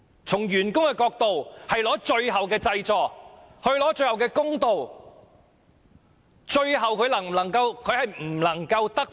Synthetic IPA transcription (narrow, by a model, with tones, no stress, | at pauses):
t͡sʰʊ˨˩ŋjyː˨˩nkʊ˥ŋkɛː˧kɔː˧k̚t̪o˨whɐ˨jlɔː˨˥t͡ʃɵ˧ɥɦɐ˨wkɛː˧t͡sɐ˧jt͡ʃɔː˨k̚ | hɵ˧ɥlɔː˨˥t͡ʃɵ˧ɥhɐ˨wkɛː˧kʊ˥ŋt̪o˨˧w | t͡ʃɵ˧ɥɦɐ˨wkʰɵ˨˧ɥlɐ˨˩ŋm˨˩lɐ˨˩ŋkɐ˧wkʰɵ˨˧ɥhɐ˨jm̩˨˩lɐ˨˩ŋkɐ˧wt̪ɐ˥k̚